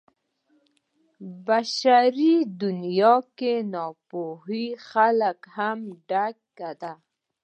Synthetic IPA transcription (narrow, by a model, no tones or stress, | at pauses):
baʃaɾid̪ʊnjɑkenɔpoɦixalakhamɖakkːad̪a